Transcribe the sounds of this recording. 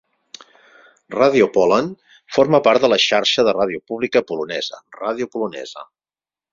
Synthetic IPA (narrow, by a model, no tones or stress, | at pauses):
raðiupɔlən | foɾməpaɾt̪d̪ələʃaɾʃəðərað̞iupuβlikəpulunɛzə̰raðiupulunɛ̰zə̰